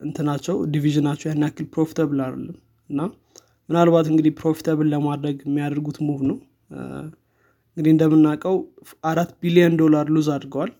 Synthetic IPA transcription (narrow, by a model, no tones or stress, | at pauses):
ʔɨnt̪ʰɨnat͡ʃːɛwd̪iviʒɨnat͡ʃːɛwjanːijakːɨlpɾo̞fi̥t̪ʰəβɨlalə̰lːɨm | ɨnːa | mɨnalβat̪ɨŋɡɨd̪ipɾo̞fi̥t̪ʰəβɨlːəmad̪ɾəɡɛmːijad̪əɾɡut̪muhoβnəw | ɨŋɡɨd̪iɨnd̪əmːɨnːakʼəw | ʔaɾat̪ːbilijənd̪o̞laɾluzad̪ɾɡəwal